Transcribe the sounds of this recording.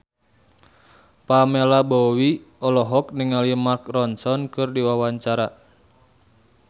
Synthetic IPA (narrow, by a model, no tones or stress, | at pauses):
pamelabɔwi | ɔlɔɦɔk̚niŋaliəmarkrɔnsɔnkɨrdiwawaɲt͡ʃaɾa